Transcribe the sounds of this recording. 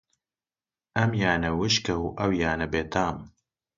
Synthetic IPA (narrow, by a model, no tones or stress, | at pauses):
ʔɐmjaːnɐwɨʃkɐwʔɐwjaːnɐbeːt̪ʰaːm